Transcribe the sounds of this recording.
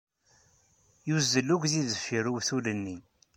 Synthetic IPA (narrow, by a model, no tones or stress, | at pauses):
juzːəlːuɡʷðiðəfːiɾuwθulənːi